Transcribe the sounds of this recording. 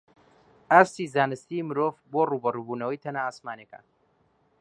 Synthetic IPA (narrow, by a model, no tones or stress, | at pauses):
aɾsiːzaːnɨst̪imɨɾoːvboːruːbɐruːbuːnɐwɐjt̪ʰɐnaːaːsmaːneka̰